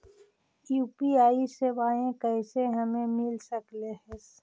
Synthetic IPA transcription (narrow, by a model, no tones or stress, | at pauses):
juːpiaːisebaːẽkəɪseɦəmẽmɪlsəkleɦɛs